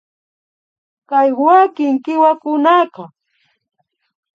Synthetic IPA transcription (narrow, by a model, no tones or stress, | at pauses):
kajwakɪŋkɪwakʊnaqɑ